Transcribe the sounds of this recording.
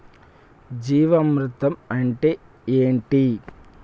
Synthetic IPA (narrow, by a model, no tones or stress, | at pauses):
d͡ʒiːʋɐmɾut̪ɐmɐɳʈe | eːɳʈi